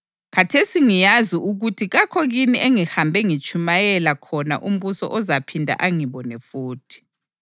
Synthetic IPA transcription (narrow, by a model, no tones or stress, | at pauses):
kʰatʰesiŋijaziʔuɣutʰiɣakʰɔɣiniʔeŋihambʱɛŋit͡ʃʼʰumajɛlakʰɔna̰ʔum̩βusɔ̰ʔɔzapʰindʱa̰ʔaŋiβɔnɛfuːtʰi̥